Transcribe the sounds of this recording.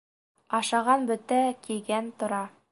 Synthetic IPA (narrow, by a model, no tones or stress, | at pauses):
ɑʃɑʁɑnbɵ̆t̪ækilɡænt̪ŏɾɑ